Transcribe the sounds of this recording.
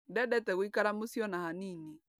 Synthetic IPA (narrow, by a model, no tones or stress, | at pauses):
dɛɗɛtɛɣwikaɾamusiɔnahanini